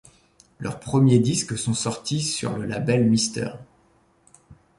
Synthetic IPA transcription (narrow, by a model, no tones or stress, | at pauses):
lœ̰ʁpχəmjed̪isksɔ̃sɔʁt̪isy̰ʁləlabɛlmist̪œ̰ʁ